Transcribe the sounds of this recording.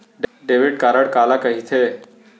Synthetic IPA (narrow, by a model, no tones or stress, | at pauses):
ɖɖeːʋiɖ̚kaːɾəɽkaːlakəɦit̪ʰe